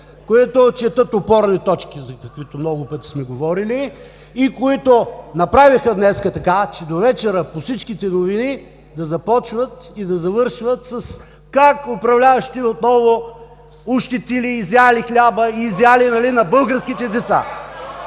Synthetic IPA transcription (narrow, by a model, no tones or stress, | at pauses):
koit̪ot͡ʃɛt̪ət̪opɔɾnit̪ɔt͡ʃkʲizɐkɐkvit̪omnɔɡʊpɤt̪i̥smɛɡovɔɾiliː | koit̪onɐpɾavixəd̪nɛskət̪ɐkat͡ʃɛd̪ovɛt͡ʃɛɾəposit͡ʃkit̪ɛnovini | d̪ɐzɐpɔt͡ʃvət̪id̪ɐzɐvɤɾʃvət̪səs | kakopɾɐvlʲavɐʃt̪iot̪nɔvo | uʃt̪it̪iliːzalixlʲabəizjalinɐlinɐbɤlˠɡəɾsk̟it̪ɛd̪ɛt̪sa̰